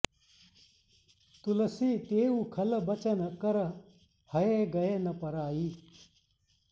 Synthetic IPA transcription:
t̪ulɐsiːt̪eːuːkʰɐlɐbɐt͡ɕɐnkɐɾɐ | hɐeɡɐeːnɐpɐɾaːiː

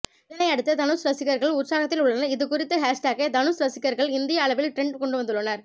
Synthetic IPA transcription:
ɪðɐnɐɪɐɽɯt̪ːɐt̪ɐnɯsɾɐsɪɣɐɾɣɐɭʊʈsaːɣɐt̪ːɪlʊɭːɐnɐɪðɯkʊrɪt̪ːɐɦaːʂʈaːkɐd̪ɐnɯsɾɐsɪkːɐɾɣɐɭɪnd̪ɪjɐːɭɐʋɪlʈɾɛɳɖkɔɳɖɯʋɐnd̪ɯɭːɐnɐɾ

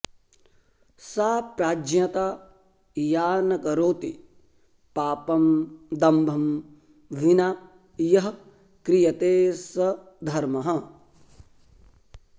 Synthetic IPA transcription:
saːpɾaːd͡ʒjɐt̪aː | jaːnɐkɐɾoːt̪i | paːpɐmd̪ɐmbʱɐm | ʋina | jɐɦɐ | kɾijɐt̪eːsɐ | d̪ʱɐɾmɐɦɐ

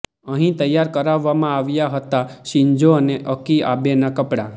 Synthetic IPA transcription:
əɦĩt̪əjːaɾkəɾaʋːamãaʋjaɦət̪aʃĩɲd͡ʒoəneʔəkia̰benakəpɽa

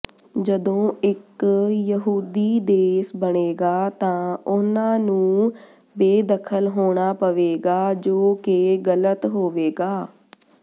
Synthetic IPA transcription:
d͡ʒəd̪õːɪkjəɦuːd̪iːd̪eːsbəɳeːɡaːt̪ãːʊnãːnũː | beːd̪əkʰəlɦoːɽaːpəʋeːɡaːd͡ʒoːkeɡələt̪ɦoːʋeːɡaː

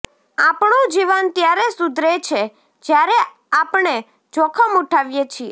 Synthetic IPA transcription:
apɳũd͡ʒiʋant̪jaɾesud̪ɾet͡ʃʰe | d͡ʒjaɾe | apɳe | d͡ʒɔkʰəmuʈʰaʋjet͡ʃʰie

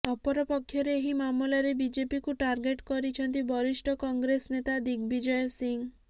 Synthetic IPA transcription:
ɔpɔɾɔpɔkʰːjɔɾeːɦimamɔlaɾebid͡ʒepikuʈaɾɡeʈkɔɾit͡ʃʰɔnt̪ibɔɾiʃʈʰɔkɔŋɡɾesnet̪ad̪ikbid͡ʒɔjɔsiŋ

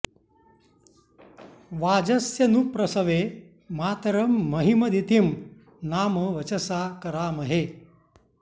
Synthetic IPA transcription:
ʋaːd͡ʒɐsjɐnupɾɐsɐʋeː | maːt̪ɾɐmːɐɦimɐd̪it̪im | naːməʋɐt͡ʃɐsaːkɐɾaːmɐɦeː

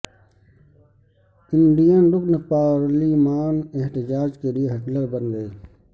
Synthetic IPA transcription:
ɪnɖijãnɾʊknepaːwəɾlimaːneɦt̪ɪd͡ʒaːd͡ʒkelieɦɐkləɾbənɡəeː

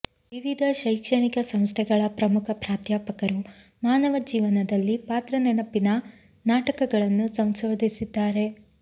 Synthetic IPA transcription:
ʋiʋid̪ʱɐʃɐjkʂɐɳikɐsɐmst̪ʰɛɡɐɭɐpɾɐmukʰɐpɾaːt̪jaːpɐkɐɾu | maːnɐʋɐd͡ʒiːʋɐnɐd̪ɐlːipaːt̪ɾɐnenɐpinɐ | naːʈɐkɐɡɐɭɐnːusɐmsoːd̪ʱisid̪ːaːɾe̞

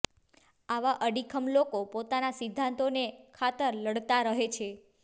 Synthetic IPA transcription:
aʋaʔəɖikʰəmlokopot̪anasid̪ʱːãnt̪onekʰat̪əɾləɽt̪aɾəɦet͡ʃʰe

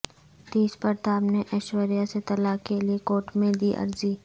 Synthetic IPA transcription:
t̪iːspəɾt̪aːbneʔɐʃʋəɾijaset̪ɐlaːkeliekoːʈmẽd̪iʔɐ̰ɾziː

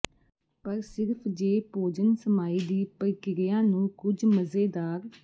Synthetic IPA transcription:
pəɾsɪɾpʰd͡ʒeːpoːd͡ʒənsəmaːiːd̪iːpəɾkɪɾɪjãːnũːkʊd͡ʒməzeːd̪aːɾ

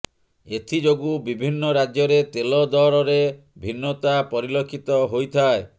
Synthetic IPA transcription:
et̪ʰid͡ʒoɡubibʱinːɔɾad͡ʒjɔɾet̪elɔd̪ɔɾɔɾe | bʱinːɔt̪apɔɾilokʰːit̪ɔɦojt̪ʰae

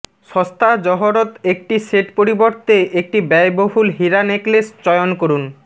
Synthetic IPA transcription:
ʃɔst̪ʰad͡ʑɔɦoɾot̪ek̚ʈiseʈpoɾiboɾt̪eʔek̚ʈibɛjboɦulɦiɾaneklest͡ɕɔjonkoɾun

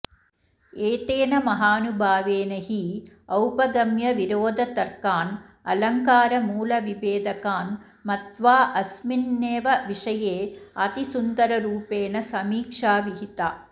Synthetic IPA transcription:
eːt̪eːnɐmɐɦaːnubʱaːʋeːnɐɦiɐwpɐɡɐmjɐʋiɾoːd̪ʱɐt̪ɐɾkaːn | ɐ̰lɐŋkaːɾɐmuːlɐʋibeːd̪ʱɐkaːn | mɐt̪ʋaːʔɐsminːeːʋɐʋiʂɐjeːɐt̪isund̪ɐɾɐɾuːpeːnɐsɐmiːkʂaːʋiɦit̪aː

